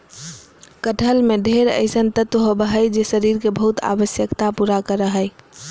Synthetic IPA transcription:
kəʈʰəlmẽd̪ʱeɾə̰ɪsənt̪ət̪wəɦobəɦəjd͡ʒesəɾiːɾkebəɦʊt̪a̰ʋəsjəkt̪apuːɾakəɾəɦəɪ

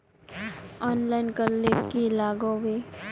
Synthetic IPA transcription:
ɔːnlaːɪnkəɾlekilaːɡõwe

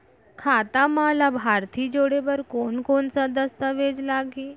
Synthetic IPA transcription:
kʰat̪amalabʱaɾt̪ʰiːd͡ʒoɽeʋəɾkonkoɳsad̪əst̪əʋed͡ʒlaɡiː

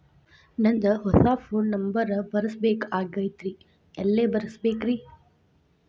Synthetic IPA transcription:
nɐnd̪ɐɦɔsaːpʰoːnːɐmbɐɾbɐɾɐsbeːkaːɡɐjt̪ɾi | ɛlːeːbɐɾɐsbeːkɾi

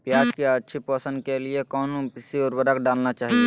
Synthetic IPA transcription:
pjaːd͡ʒkeətːʃʰipəːsə̃nd̪kelɪekɔːnũpɪsiɔːɾbəɾəkɖaːlnat͡ʃaːɦie

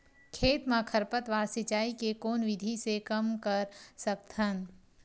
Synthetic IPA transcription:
kʰeːt̪mãkʰɐɾpət̪ʋaːɾsɪt͡ʃaːikekoːnʋɪd̪ʱisekɐmkəɾsɐk̚t̪ʰən

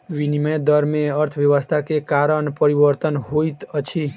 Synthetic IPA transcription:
ʋiniməjd̪əɾmẽəɾt̪ʰʋjəʋəst̪ʰakekaɾəɳpəɾibəɾt̪ənɦojt̪ət͡ʃʰi

